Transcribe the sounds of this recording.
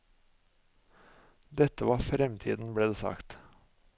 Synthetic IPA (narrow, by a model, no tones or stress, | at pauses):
d̪ɛt̪əʋɑːfɾɛmt̪ʰḭːd̪n̩bɽeːd̪eːsɑ̰kt̪